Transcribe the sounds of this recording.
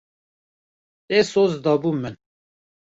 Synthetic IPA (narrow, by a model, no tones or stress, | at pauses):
esozd̪ɑːbuːmɨn